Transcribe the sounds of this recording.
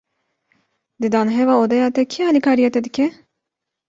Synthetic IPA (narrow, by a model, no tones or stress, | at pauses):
d̪ɨd̪ɑːnɦɛvɑːoːd̪ɛjɑːt̪ɛkʰiɑːlikʰɑːɾijɛt̪ɛd̪ɨkʲʰɛ